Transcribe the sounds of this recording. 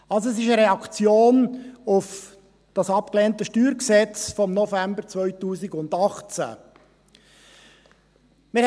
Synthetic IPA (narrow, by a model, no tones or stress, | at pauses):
ɑlsoɛs̬ɪʃəɾɛɑkt͡sjoːnʊf | d̥ɑsɑp̚kleːntəʃtyːɾksɛt͡sfɔmnɔfæmbəɾt͡svœʏtuːsɪɡʊndɑχt͡sæ̰ | mɪɾ